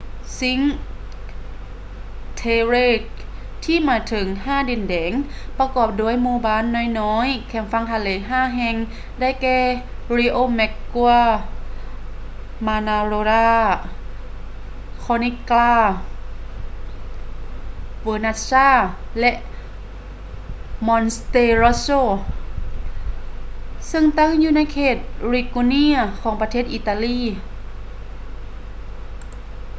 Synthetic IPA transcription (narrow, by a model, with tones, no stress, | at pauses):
si˧˦ŋ | t̪ʰeː˧ɾeː˧˩k̚ | t̪ʰiː˧˥˨maː˧˥t̪ʰɤ˨˦ŋɦaː˧˥˩di˧˩˨ndɛː˩˦ŋ | pa˧kɔː˧˩p̚du˧˥˩ə˨jmuː˧baː˧˥˨nːɔː˧˥˨jnɔː˧˥jkʰɛ˧˩mfa˧˥˨ŋt̪ʰa˧leː˨˦ɦaː˥˨ɦɛ˧ŋ | da˥˩˨jkɛː˧˩ɾi˧ʔoː˧˩˨mɛ˧kːu˧ə | maː˧naː˧ɾoː˧ɾaː˧˥˩ | kʰɔː˧ni˧klaː˧˩ | ʋoː˧na˧saː˧˥˩lɛ˧ʔ | mɔ˧nst̪eː˧ɾo˧soː˧ | sɯ˧ŋt̪a˧˥˨ŋjuː˧˨na˧˥˨jkʰeː˧˩t̪̚ɾi˧˩ku˧ni˧˥ɐkʰɔː˩˦ŋpa˧t̪ʰeː˧˥˩t̪̚ʔiː˧˩t̪aː˧liː˧˥˨